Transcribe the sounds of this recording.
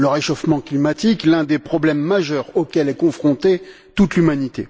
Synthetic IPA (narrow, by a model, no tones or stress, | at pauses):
ləʁeʃofmɑ̃klimat̪iklɛ̃d̪epχɔblɛmːaʒœʁokʲɛlɛkɔ̃fχɔ̃t̪e | t̪ut̪lymanit̪ḛ